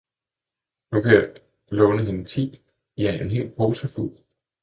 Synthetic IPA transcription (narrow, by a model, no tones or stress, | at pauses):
nukʰæ | lɔːnəɦe̝nət͡sʰḭː | jɑæɐʔe̝nɦe̝̰ːlpʰʁoːsʰɐful